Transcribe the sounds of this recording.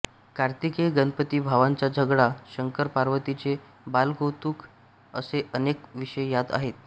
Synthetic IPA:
kaɾt̪ikeɡənpət̪iːbʱaʋaɲt͡ɕad͡ʑʱəɡɽaɕəŋkəɾpaɾʋət̪it͡se | balɡowt̪uːk | əseʔənekʋiɕəjjad̪a̰ɦet̪

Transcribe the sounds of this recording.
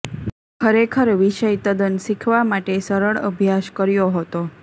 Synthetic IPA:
kʰəɾekʰəɾʋiʃəjt̪əd̪ənsikʰʋamaʈesəɾəɭə̰bʱjaʃkəɾjoɦət̪o

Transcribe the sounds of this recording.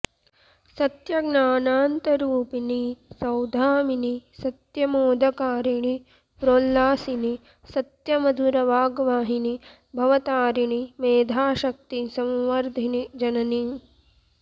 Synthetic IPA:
sɐt̪jɐɡnaːnaːnt̪ɐɾuːpinisɐwd̪ʱaːminisɐt̪jɐmoːd̪ʱɐkaːɾiɳi | pɾoːlːaːsini | sɐt̪jɐmɐd̪ʱuɾɐʋaːɡʋaːɦini | bʱɐʋɐt̪aːɾiɳimeːd̪ʱaːʃɐk̚t̪isɐ̃mʋɐɾd̪ʱinid͡ʒɐnɐni

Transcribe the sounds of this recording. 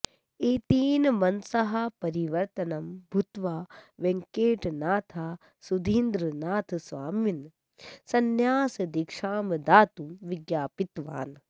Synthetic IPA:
eːt̪iːnmɐnsɐɦɐpɐɾiʋɐɾt̪ɐnɐmbʱut̪ʋaːʋẽŋkeːʈnaːt̪ʰaː | sud̪ʱiːnd̪ɾɨnaːt̪ʰsʋaːmʋin | sɐnjaːsɐd̪ikʂaːmd̪aːt̪umʋɪɡjaːpit̪ʋa̰ːn

